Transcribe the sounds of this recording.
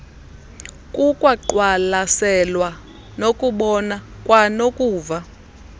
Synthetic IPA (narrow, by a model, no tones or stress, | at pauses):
kʼukʼwaǃwalasɛlwa | nokʼuɓɔnakʼwanokʼuːva